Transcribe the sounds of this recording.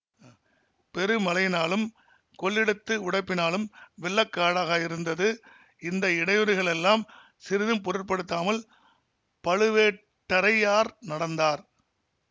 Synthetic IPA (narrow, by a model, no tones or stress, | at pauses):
pɛɾɯmɐlɐɪnaːlɯm | kɔɭːɪɽɯt̪ːɯʊɽɐɪpːɪnaːlɯmʋɛɭːɐkːaːɽaːɣaːjɪɾɯnd̪ɐðɯ | ɪnd̪ɐɪɽɐjɔɾɯɣɐɭɛlːaːm | sɪɾɪðɯmpɔɾɯrpɐɽɯt̪ːaːmɐl | pɐɻɯʋeː | ʈːɐɾɐjaːɾnɐɽɐnd̪aːɾ